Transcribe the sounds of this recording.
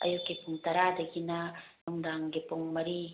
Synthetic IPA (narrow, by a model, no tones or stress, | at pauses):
ɐ̰jukːipuŋt̪ɐɾad̪ɐɡinɐnuŋd̪aŋɡepuŋmɐɾi